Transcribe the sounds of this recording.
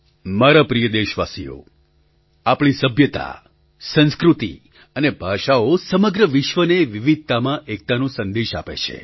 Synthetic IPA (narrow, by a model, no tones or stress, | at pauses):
maɾapɾijəd̪eʃʋasḭjo̰ | apɳ̃isəbʱjət̪a̰ | sə̃nskɾut̪ḭ | ənebʱaʃaosəməɡɾəʋɪʃʋəneʋiʋid̪̚ʱt̪amãʔek̚t̪anũsənd̪eʃa̰pḛt͡ʃʰḛ